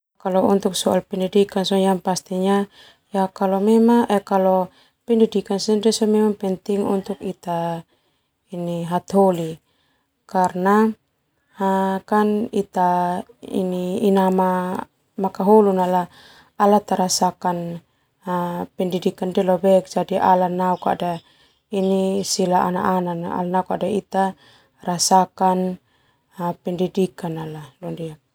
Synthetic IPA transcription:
kalɔṵnt̪uksɔalpɛndidikansɔjaŋpast̪iɲa | jakalɔmɛmaŋʔɛkalɔ | pɛndidikansɛndɛsɔmɛmaŋpɛnt̪iŋṵnt̪ukit̪a | iniɦat̪ɦɔli | karna | hakanit̪a | ḭniːnama | makaɦolunala | alat̪aɾasakan | pɛndidikandɛlɔbɛk̚d͡ʒadiʔa̰lanauka̰da | inisilaa̰na̰ʔanana̰lanaukadait̪a | rasakan | pɛndidikanalalɔndiak̚

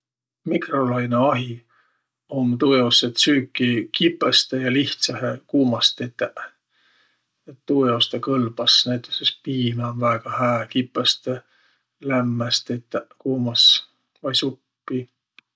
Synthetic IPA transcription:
mikro̞lɑjneɑɦi | omt̪ujoset̪syːkːˑikipːˑest̪ejɑliht̪sɑɦekuːmɑst̪et̪ːeʔ | et̪ːujost̪ekɤlb̥ɑsnæjt̪ˑesespiːmeonvæːɡ̥ɑhæːkipːˑest̪e | læmːæst̪et̪ːeʔkuːmɑs | vɑjsupːi

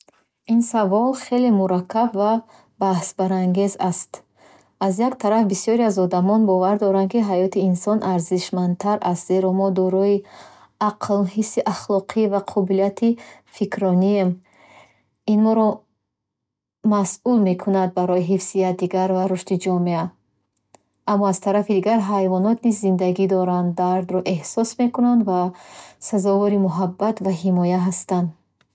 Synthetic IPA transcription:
insavɔlχe̞lemuɾakʰːabva | bahsbaɾaŋɡe̞zast̪ | azjakt̪ʰaɾafbisiɔɾiazɔd̪amɔnbɔvaɾd̪ɔɾankiɦajɔt̪ʰiːnsɔnʔaɾziʃman̚t̪ʰaɾʔast̪ze̞ɾɔmɔd̪ɔɾɔi | aqʰlɦisːiʔaχlɔqʰivaqʰɔbiliat̪ʰifikʰɾɔniem | inmɔɾɔ | masʔulme̞kʰunad̪̚baɾɔiɦifsijat̪̚d̪iɡaɾvaɾuʃt̪id͡ʒɔmea | amːɔaz̥t̪ʰaɾafid̪iɡaɾɦajvɔnɔt̪nizːind̪aɡid̪ɔɾand̪d̪aɾd̪ɾɔʔe̞hsɔsme̞kunand̪vasazɔvɔɾimuɦabːat̪vaɦimɔjaɦast̪and̪

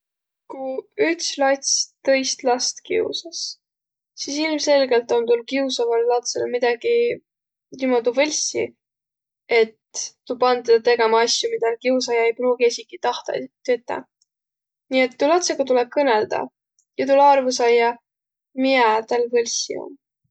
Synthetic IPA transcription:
kuykslɑt̪ʲsʲt̪ɤ̞jst̪lɑst̪kḭṵsɑs | sisilmse̞lɡe̞lt̪o̞nt̪ulkiusɑvɑlːɑt̪selmid̪̥ɑɡ̥i | nimɑt̪uvɤlʲsḭ | e̞t̪ːupɑnt̪ːed̪t̪e̞ɡ̥e̞mɑɑsʲjumid̪̥ɑlkius̬ɑjɑejpɾuːɡiesʲikit̪ɑht̪ɑ̰t̪ːyt̪ˑːɑ̰ | nie̞t̪ːulɑt̪sekot̪uleb̥̚kɤne̞ld̪̥ɑ̰ | jɑt̪ulɑrvus̬ɑjːɑ | miɑt̪ɑlvɤlʲsḭo̰n

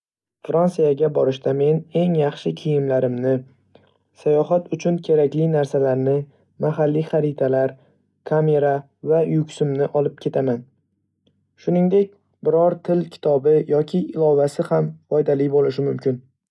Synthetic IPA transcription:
fɾansijaɡʲabɒɾɪʃt̪ame̞ne̞ŋjɑχʃɪkʲʰijɪmlaɾɪmnɪ | sajɒɦat̪ʊt͡ʃʰʊnkʲʰe̞ɾakʲlɪjnaɾsalaɾnɪ | maɦalːijχaɾɪt̪ʰalaɾ | kʰame̞ɾa | vajʊkʲsɪmnɪʔɒlɪp̚kʲʰe̞t̪ʰaman | ʃʊnɪŋd̪e̞k̚ʲ | bɪɾɒɾt̪ʰɪlkʲʰɪ̥t̪ʰɒbɪjɒkʲʰɪɪlˠɒvasɪhamfɒjd̪alibolɪʃɪmʊmkʲɪn

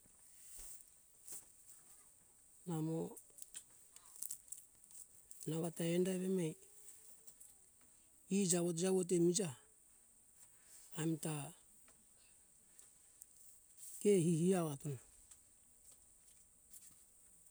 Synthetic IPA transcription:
namo | naβataendaeβemej | id͡ʒaβot̬d͡ʒaβot̬emid͡ʒa | mita | kehihiaoatona

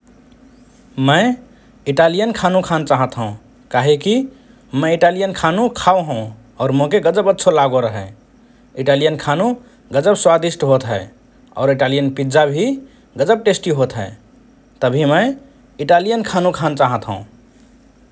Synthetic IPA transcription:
məɪ | iʈalijənkʰanũkʰant͡ʃaɦət̪ɦə̃ũ | kaɦeki | məiʈalijənkʰanukʰauɦõʊ̃ | ɔːɾmõkeɡəd͡ʒəbətːʃʰolaɡoɾəɦɛ | iʈalijənkʰanũ | ɡəd͡ʒəbswad̪isʈɦot̪ɦɛɪ | ɔ̰ʊɾiʈalijənpid͡ʒabʱi | ɡəd͡ʒəb̚ʈesʈiɦot̪ɦɛ̰ɪ | t̪əbʱiməɪ | iʈalijənkʰanũkʰant͡ʃaɦət̪ɦə̰̃ũ

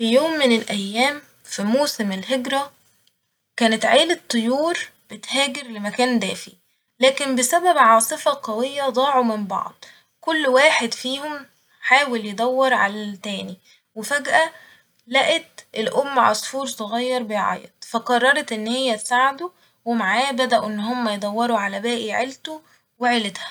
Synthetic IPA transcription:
fijoːmːenelʔæjːæːm | fimoːsemelɦeɡɾæ | kæːnet̪ʕeːlet̪ˤːojuːɾb̥et̪hæːɡeɾlemækæːnd̪æ̰ːfḭ | læːkembesæbæbʕɑːsˤɨfɑqɑwejːæd̪ˤɑːʕumɪmbɑ̰ʕd̪̥ˤ | kolːwaːħed̪fiːhom | ħaːweljed̪ˤæwːɑɾˤʕa̰læt̪æːni | wefæɡʔæ | læʔet̪ʔelʔomːʕɑ̰sˤfuːɾsˤoɣɑjːɑɾˤbejʕɑ̰jḛd̪ˤfæqɑrˤːɑɾˤɑt̪ʔenːhejːæt̪saʕd̪u | wemaʕaːbæd̪æʔuʔenːɦomːæjed̪ˤɑwːɑɾuʕalæbæːʔiʕelt̪u | weʕelet̪hæ̥

